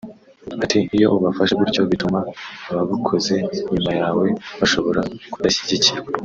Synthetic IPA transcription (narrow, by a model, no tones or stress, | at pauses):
atiijo̞ʔuβafaʃeβuɾcoβitumaβaβukʰo̞ze̞iɲumajaːwe̞βaʃo̞βo̞ɾaku̥daɕiɟiciɾaa